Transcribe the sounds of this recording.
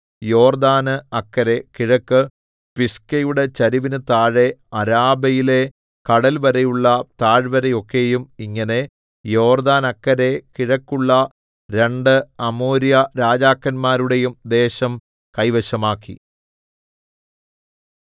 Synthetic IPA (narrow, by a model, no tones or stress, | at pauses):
jo̞ːrd̪aːnɨɐkːɐɾe̞kiɻɐkːɨ | piskɐjuɽe̞t͡ɕɐɾiʋinɨt̪aːɻeɐɾaːbɐjile̞ | kɐɽɐlʋɐɾɐjuɭːɐt̪aːɻʋɐɾɐjo̞kːe̞jumiŋːɐne̞ | jo̞ːrd̪aːnɐkːɐɾe̞kiɻɐkːuɭːɐ | ɾe̞ɳɖɨɐmoːɾjɐɾaːd͡ʑaːkːɐnmaːɾuɽe̞jumd̪e̞ːɕɐm | kɐjʋɐɕɐmaːkːḭ